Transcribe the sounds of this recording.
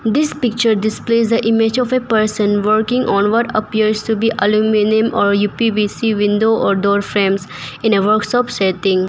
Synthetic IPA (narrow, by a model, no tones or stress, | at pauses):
d̪ɪspɪk̚t͡ʃəɾɖɪspleːzd̪əʔɪmed͡ʒɔfepəɾsə̃nʋəɾkɪ̃ŋɡʔɔ̃ːnʋɔʈəpiəɾzʈubiːʔəlumɪnĩmɔːɾjuːpibisiʋɪ̃ndoʔɔːɾɖɔːɾfɾẽːmzɪ̃neʋəɾkʃɔːpseʈɪ̃ŋ